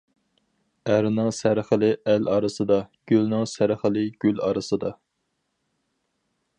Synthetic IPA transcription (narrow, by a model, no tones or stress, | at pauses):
æɾnɪŋsæɾχəlɪʔælɑɾɨsɨd̪ɑɡ̥ʲylnɪŋsæɾχəlɪɡ̥ʲylɑ̰ɾɨsɨd̪ɑ